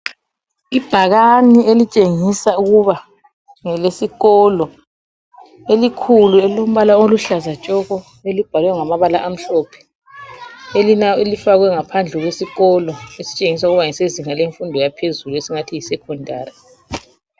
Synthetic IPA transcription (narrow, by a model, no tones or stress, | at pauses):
ib̥ʱaɣanielit͡ʃʼeŋisauɣuβa | ŋɛlesiɣɔlɔ | elikʰuluɛlom̩βalaoluɬazat͡ʃʼɔɣɔ | elib̥ʱalwɛŋamaβala̰ʔam̩ɬɔːpʰɛ̥ | elinaɔelifaɣwɛŋapʰand͡ɮʱɛɣwesiɣɔlɔesi̥t͡ʃʼeŋis̬auɣuβaŋɛseziŋaleɱfundʱɔjapʰezuluesiŋatʰijisɛkʰɔndʱa̰ːri